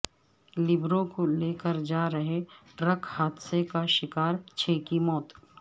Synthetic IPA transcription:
lɪbɾõkoleːkəɾd͡ʒaːɾəɦeʈɾəkhaːt̪sekaʃɪkaːɾt͡ʃʰeːkimɔːt̪

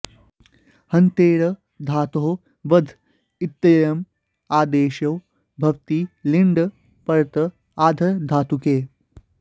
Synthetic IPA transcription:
hɐnt̪eːɾɐ | d̪ʱaːt̪oɦo | ʋɐd̪ʱ | it̪ːɐjɐm | aːd̪eːʃɐw | bʱɐʋt̪iːliɳɖ | pɐɾt̪ə | aːd̪ʱɐɾd̪ʱaːt̪ukeː

